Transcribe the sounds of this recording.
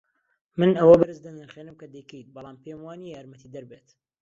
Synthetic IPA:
mɨnɐwɐbɐɾɨzd̪ɐnɨɾχeːnɨmkɐd̪ejkəjt̪̚bɑlˠaːmpʰeːmwaːnijaːɾmɐt̪ʰid̪ɐɾbet̪

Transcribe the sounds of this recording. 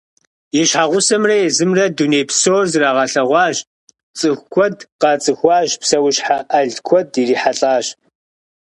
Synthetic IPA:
jɛɕħaːʁʷʊsɐmrɐjɛzɨmrɐduneːpʰsoːrzɨraːʁɐɬɐʁʷɑːʒ | t͡sʼɨxʷkʷʰɔdqɑːt͡sʼɨxʷɑːʑpsɐwɕħaʔɐɮkʷʰɔdiriːħaɬʼaːʒ

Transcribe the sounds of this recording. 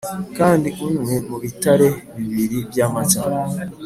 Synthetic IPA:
kaːndiʔunwemuβitaɾe̞βiβiɾiβjaːmat͡ʃa

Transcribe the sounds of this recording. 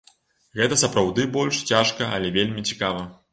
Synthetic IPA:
ɣɛt̪ɐsɐpɾawd̪ɨbɔlʲʂt͡sʲaʂkɐɐ̰lʲɛvʲelʲmʲit͡sʲi̥kavɐ

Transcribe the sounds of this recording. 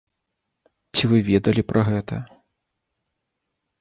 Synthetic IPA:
t͡sʲivɨvʲɛd̪ɐlʲipɾʔɐɣɛt̪ɐ

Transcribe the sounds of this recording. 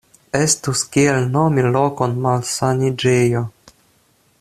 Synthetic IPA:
estuskielnomilo̞ko̞nmalsanid͡ʒejo

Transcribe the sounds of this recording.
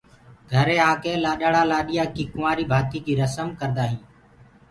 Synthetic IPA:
ɡʱəɾeːaːkẽːlaːɗəɽaːlaːɗɪjaːkiːkʊmaːɾiːbʱaːt̪iːkiːɾəsəmkəɾd̪aːɦĩː

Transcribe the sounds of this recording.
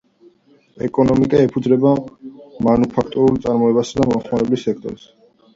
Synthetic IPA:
ɛkʼɔnɔmikʼaɛpʰud̪zɾɛbamanupʰak̚ʰt̪ʼɔɾulˠt̪sʼaɾmɔɛbasad̪amɔmχmaɾɛblisɛk̚ʰt̪ʼɔ̰ɾs

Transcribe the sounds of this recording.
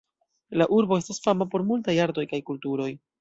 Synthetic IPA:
laʔuɾbo̞e̞stasfamapo̞ɾmultajaɾdo̞jkajkultuɾo̞j

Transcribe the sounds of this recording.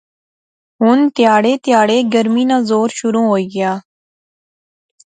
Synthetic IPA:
ɦʊnt̪jaːɽeːt̪jaːɽeːɡəɾmiːnãːzoːɾʃʊɾũːɦoːiːɡɪjaː

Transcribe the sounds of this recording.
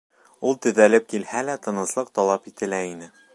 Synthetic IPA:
ulˠt̪ɵ̆ðælɘp̚kilhælæt̪ɤ̆nɤ̆slˠɤq̚t̪ɒlˠɑpit̪ɘ̆læinɘ

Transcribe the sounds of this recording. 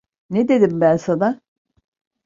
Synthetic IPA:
ned̪ed̪imbænsad̪a

